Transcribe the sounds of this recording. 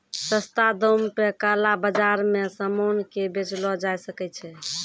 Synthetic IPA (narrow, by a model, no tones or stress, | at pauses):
səst̪ad̪ompekalabəd͡ʒaɾmesəmonkebet͡ʃlɔd͡ʒajsəkɛt͡ʃʰɛ